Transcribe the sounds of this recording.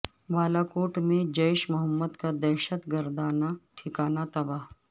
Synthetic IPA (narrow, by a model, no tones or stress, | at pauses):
ʋaːlakoːʈmẽd͡ʒɐɪʃmʊɦəmːəd̪kad̪ɐɾʃət̪ɡəɾd̪aːnaʈʰɪkaːnat̪ɐbaːɦ